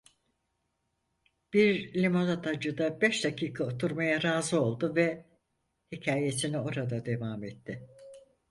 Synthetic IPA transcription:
b̥iɾlʲimanat̪ʰad͡ʒɯd̪abɛʃd̪acʰiːkʰaot̪ʰuɾmajaɾaːzɯo̞lˠd̪uvɛ | hicʰaːje̞sinio̞ɾad̪ad̪e̞vaːmɛt̪ːɪ

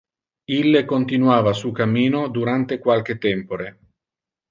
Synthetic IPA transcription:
ilːekont̪inwaːvasukamːiːnod̪uɾant̪ekwalk̟et̪ːɛmpoɾe

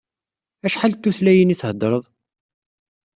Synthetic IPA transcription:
æʃħalt̪ːuθlæjəniθhəd̪ˤːɾˤəðˤ

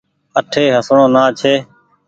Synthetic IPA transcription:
əʈʰeːɦəsɳoːnaːt͡ʃʰeː

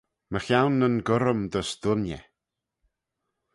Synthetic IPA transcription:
məxjawnːənɡəɾəmd̪əsd̪̥ʊnjɛ̰

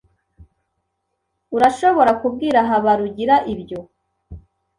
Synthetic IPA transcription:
uɾaʃo̞βo̞ɾakub̚ɡiːɾaɦaβaɾuɟiɾaʔibɟo̞

